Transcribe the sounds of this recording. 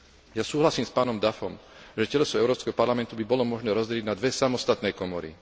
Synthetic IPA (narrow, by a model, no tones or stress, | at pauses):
jasuːɦlasiːmspaːnɔmd̪afɔmʒɛcɛlɔsɔɛʊɾɔːpskɛɦɔpaɾlamɛnt̪ubibɔlɔmɔʒnɛːɾɔzɟɛliɟnad̪ʋɛsamɔst̪at̪nɛjkɔmɔɾḭ